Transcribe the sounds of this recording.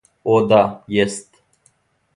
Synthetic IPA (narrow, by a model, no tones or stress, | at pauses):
od̪ajest̪